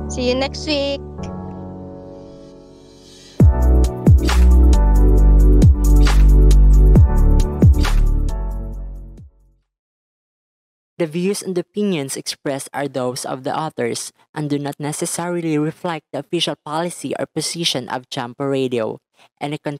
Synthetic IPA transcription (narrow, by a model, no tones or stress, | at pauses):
sijʊnɛkst̪wik̚ | d̪ɐvjuːsɛ̃nd̪ɔpɪ̃njɔ̃nsɛkspɹɛst̪a̰ɹðowsɔ̰vd̪ə̰ʔɔθɛɹs | ʔɐ̃nd̪unat̪̚nɛsɛsɛɹiliɹɪflɛk̚d̪əɔfiʃalpalɪsiʔɔ̰ɹpɔsiʃɔ̃nʔɔ̰vd͡ʒãmpəɹedio | ʔɛ̃nɛkɔ̃n